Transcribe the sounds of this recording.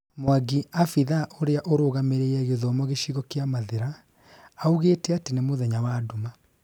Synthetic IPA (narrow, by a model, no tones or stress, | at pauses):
moaɡiafiðaʔoɾeaʔoɾoɣameɾeɛɣeðɔmɔɣeʃiɣɔkeamaðeɾaː | uɣetɛatenemoðɛɲawadoma